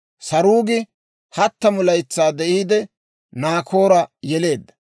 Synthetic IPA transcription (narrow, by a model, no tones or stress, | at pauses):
sɐɾuːɡɪ | hɐt̪ːɐmʊlɐjt͡sːaːd̪ɛʔiːd̪ɛ | naːkʰo̞ːɾɐjɛle̞ːd̪ːɐ̥